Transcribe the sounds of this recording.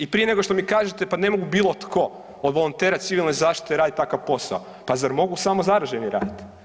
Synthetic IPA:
ipɾije̞ne̞ɡo̞ʃt̪omikaːʒet̪epane̞mo̞ɡubiːlˠot̪kʰo̞ | od̪ʋo̞lˠont̪e̞ːɾat̪siʋilno̞jzaːʃt̪i̥t̪eɾaːd̪it̪t̪akaʋpo̞sa̰o | pazaɾmo̞ɡusamo̞zaɾaʒeniɾa̰ːd̪it̪

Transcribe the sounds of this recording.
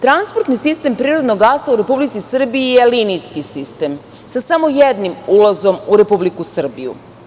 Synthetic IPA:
t̪ɾanspoɾt̪nisist̪e̞mpɾiːɾo̞d̪noɡasauɾe̞publit̪sisr̩biijelinijskisist̪e̞m | sasamo̞jed̪nimulazo̞muɾe̞publikusr̩bḭjṵ

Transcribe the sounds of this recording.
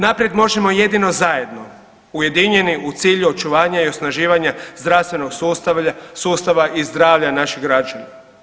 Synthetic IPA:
napɾje̞d̪mo̞ʒemo̞je̞d̪ino̞zaje̞d̪no̞ | uje̞d̪iɲe̞niʔut̪siːʎuo̞t͡ʃuʋaːɲaio̞snaʒiːʋaɲazd̪ɾafst̪ʋeno̞ɡ | suːst̪aʋaʔizd̪ɾaːʋʎanaʃiɡɾad͡ʒana

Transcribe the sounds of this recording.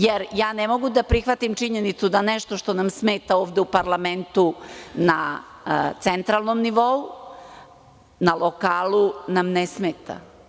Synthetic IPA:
jeɾjaːnemo̞ɡud̪apɾixʋat̪imt͡ʂiɲenit̪sud̪anɛʃt̪o̞ʃt̪o̞namsmeːt̪aoːʋd̪eupaɾlˠame̞nt̪una | t̪sent̪ɾaːlˠnomniʋo̞u | nalokaːlˠunamnesmeːt̪a̰

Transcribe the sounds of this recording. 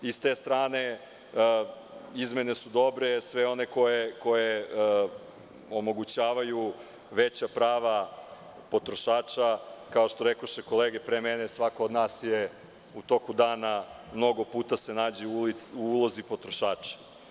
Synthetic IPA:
ist̪eːst̪ɾaːne̞ | izme̞ne̞sud̪o̞bɾesʋe̞o̞ne̞ko̞jeko̞je | omo̞ɡut͡ɕaːʋaju | ʋet͡ɕapɾaːʋa | po̞t̪ɾo̞ʃaːt͡ʃakao̞ʃt̪o̞ɾekoʃeko̞leɡepɾemenesʋakoːd̪naːsje | ut̪o̞kud̪aːna | mno̞ɡo̞puːt̪ase̞naːd͡ʑeuliuulˠo̞zipo̞t̪ɾo̞ʃaːt͡ʃḁ

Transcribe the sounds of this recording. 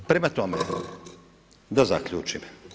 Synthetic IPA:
pɾemat̪ome | d̪aza̰kʎṵːt͡ʃim

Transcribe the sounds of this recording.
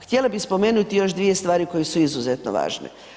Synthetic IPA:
xt̪ʲjelabixspo̞me̞ːnut̪ijo̞ʃd̪ʋije̞st̪ʋaːɾiko̞jesuizuzet̪no̰ʋa̰ːʒnḛ

